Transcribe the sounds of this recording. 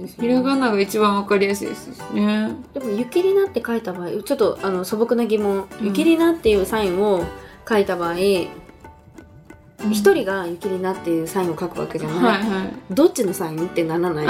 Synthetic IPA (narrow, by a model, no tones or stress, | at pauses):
esiɾaɡanːaɡait͡ɕibãɰ̃βakaɾʲijasɨ̰ḭd̪esɨsned̪̥e̞mo̞jɯ̟kʲiɾʲinat̪ːe̞kait̪abaːḭt͡ɕo̞t̪ːo̞ano̞so̞bo̞kɯ̟naɡʲimõ̞ɴjɯ̟kʲiɾʲinat̪ːe̞jɯ̟ːsaĩɰo̞kait̪abaːi | çi̥t̪o̞ɾʲiɡajɯ̟kʲiɾʲinat̪ːe̞jɯ̟ːsãĩɰ̃o̞kakɯ̟βa̰ke̞d͡ʑanaiiaid̪o̞t͡ɕːino̞saĩnt̪ːe̞nananai